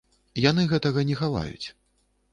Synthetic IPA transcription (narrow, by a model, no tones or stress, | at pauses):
janɨɣɛt̪ɐɣɐnʲɛxala̰jṵt͡sʲ